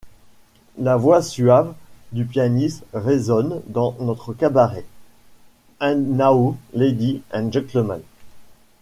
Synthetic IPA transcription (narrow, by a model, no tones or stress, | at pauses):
lavwasyavd̪ypjanist̪ʁezɔnd̪ɑ̃nɔt̪χəkabaʁɛ | ɛ̃naoled̪iɛ̃ʒakləma̰n